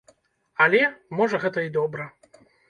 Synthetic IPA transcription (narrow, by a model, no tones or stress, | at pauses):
ɐlʲɛmɔʐɐɣɛt̪ɐid̪ɔbɾɐ